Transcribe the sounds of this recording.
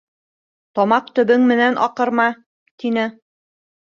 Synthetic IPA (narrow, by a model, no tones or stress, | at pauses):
t̪ɒmɑq̚t̪ɵ̆βɵŋmɘ̆nænʔɑqɤ̆ɾmɑ | t̪inɘ